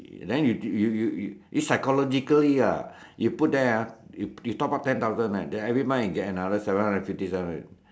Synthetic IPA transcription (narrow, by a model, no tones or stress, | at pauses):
dɛ̃njujujuʔisajkɔlɔd͡ʒikəlia | juput̚dɛajujut̪ɔp̚at̪ɛ̃nt̪awzə̃nlãdɛ̃nɛvɹimãɡɛtənadəsɛvə̃nhãndə̃nfiftisɛṽn